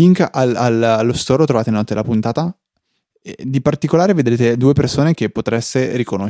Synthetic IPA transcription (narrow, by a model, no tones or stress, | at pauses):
iŋkalalalːost̪ɔːɾot̪ɾovaːt̪enɔt̪ːed̪elapunt̪aːt̪a | ḛd̪ipart̪ikolaːɾeved̪ɾeːt̪ed̪uːepersoːnek̟epːot̪ɾɛsːeɾikono